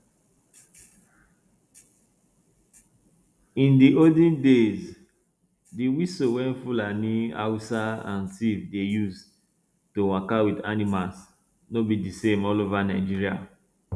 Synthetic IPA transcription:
ĩndiʔodĩndez | diwisowɛ̃nfulania̰usaã̰ntivdejus | towakawidanimas | nobidisẽmɔlovanaɪd͡ʒiɹia̰

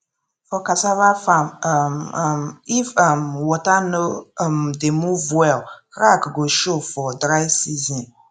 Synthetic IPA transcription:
fɔkasavafãmmmifʌmwɔtanomdemuvwɛlkɾakɡoʃofɔdɹaɪsizɔ̃n

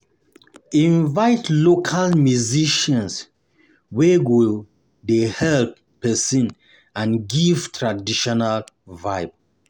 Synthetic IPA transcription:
ĩnvaɪtlokʰalmjuziʃɔ̃ns | wɛwi | dehɛlpːɛsɔ̃n | ãnɡivtʰɹadiʃɔnal | vaɪb

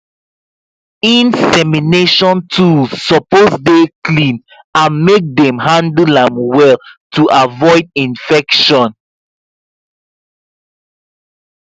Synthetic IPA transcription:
ĩnsɛmineʃɔ̃ntʰusɔposdeklĩn | ãnmek̚dɛ̃mɦãndlãmwɛltʰuʔavɔɪd̚ĩnfɛkʃɔ̃n

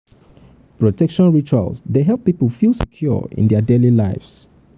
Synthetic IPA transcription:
pɹɔtʰɛkʃɔ̃nɹit͡ʃa̰lˠsdeɦɛlˠpːipəlˠfilˠsɛkʰjɔ̰ḭ̃ndɛədelilaɪfs

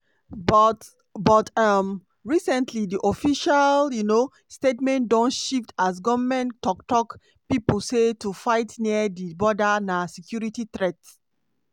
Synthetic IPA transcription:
bɔt | bɔtam | ɹisɛ̃ntʰlidiʔofiʃaljuno | stetmɛ̃ntdɔ̃nʃiftas̬ɡɔvamɛ̃ntɔktɔk | pipul̩setufaɪtniədibɔdanasɛkjuɹititɹɛt

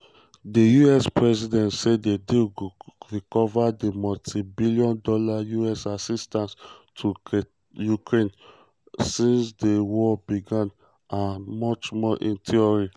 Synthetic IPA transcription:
dejuɛspɹɛsidɛ̃ntsedediɹikɔvademɔtʰibilijɔ̃ndɔlajuɛsasistãnstʰu | jukɹẽn | sĩnsdewɔbiɡãn | amɔt͡ʃmɔʔĩntʰiɔɹi

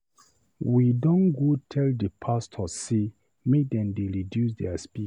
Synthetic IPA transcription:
widɔ̃nɡotʰɛldəpʰastʰɔse | medɛ̃ndeɹidjusdɛaspi

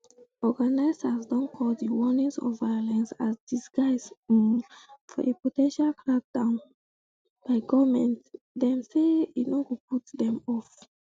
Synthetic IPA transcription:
ɔɡanaɪsasdɔ̃nkʰɔldəwɔnĩŋsɔ̰vːajolɛ̃nsasdisɡaɪs | fɔ̰ʔepotɛ̃nʃalkɹak̚dãʊ̃n | b̥aɪɡɔvmɛ̃nt | dɛ̃mseitnoɡop̚utdɛ̃mɔf

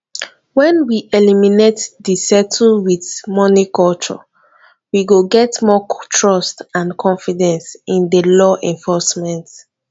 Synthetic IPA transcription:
wɛ̃nwiʔeliminetdisɛtʰəlwiθmɔnikɔlt͡ʃɔ̰ | wiɡoɡɛtmɔtʰɹɔstãnkʰɔ̃ɱfidɛ̃nsĩndəlɔʔɛ̃ɱfɔsmɛ̃nt

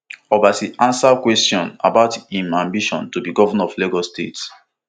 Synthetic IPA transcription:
ɔbasiʔãnsakwɛstjɔ̃na̰baʊtĩmãmbiʃɔ̰̃ntubiɡɔvanaɔfleɡɔstets

